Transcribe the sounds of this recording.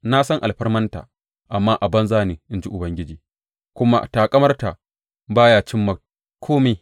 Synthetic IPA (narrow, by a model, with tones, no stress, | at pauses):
na˦sɐ˦ŋʔa˨lɸɐ˦rmɐ˦nta̰ː˨ | ʔa˨mːaː˦ʔa˨bɐ˦nzaː˦ne˨ʔɪ˨nd͡ʒi˦ʔʊ˨bɐ˦ŋɡʲɪ˦d͡ʒiː˨ | kʷʊ˦ma̰˦ʔtaː˨kʼɐ˦mɐ˦rtaː˨ | baː˦jaː˦t͡ʃɪ˦mːa˨ | kʰʷoː˦meː˨